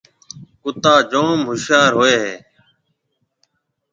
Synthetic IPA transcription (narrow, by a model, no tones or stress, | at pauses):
kʊt̪aːd͡ʒoːmɦʊʃjaːɾɦoːeːɦeː